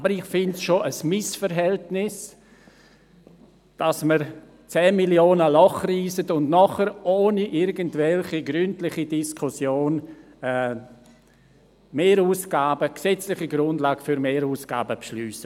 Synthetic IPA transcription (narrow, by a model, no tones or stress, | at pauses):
ʔabəɾɪχfɪntsʃoʔəsmɪsfəɾɦɛltnɪs | d̥asməɾ | t͡sɛːmiljoːnəlɔχriːsətʊndnɔχəɾʔoːniʔɪɾɡəntvɛlχiɡɾyntlɪχidiskʰʊsjoːn | ɛː | meːɾuːsɡ̥aːbəksɛt͡slɪχiɡɾʊndlaːɡ̥fyɾmeːɾuːsɡ̥a̰ːbəpʃlyːsə